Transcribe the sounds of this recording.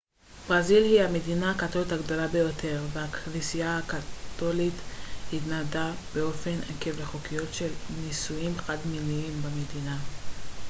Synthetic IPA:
b̥ʁazilhihame̞dinaːkat̪o̞lithaɡd̪o̞labe̞jo̞tʰe̞ʁveaknisijahakat̪o̞lit̪hitnadab̥eo̞fe̞nekevleχokijo̞tʃe̞lnisujimχadmiliimbamedina

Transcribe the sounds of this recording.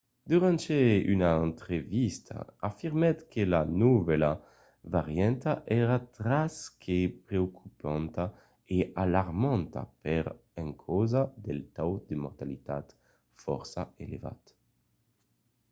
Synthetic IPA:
d̪yʁant̪eynaent̪ʁevist̪ʰa̰afiɾmɛt̪kʰelanuvɛla | vaʁjɛnt̪aʔɛɾat̪ɾaskʰepɾeokypãnt̪a | ealaɾmãnt̪a̰pɛɾ | ɛ̃ŋkʰɔzad̪elt̪awd̪əmɔɾt̪alit̪at̪ | fɔ̰ɾsaeleva̰t̪

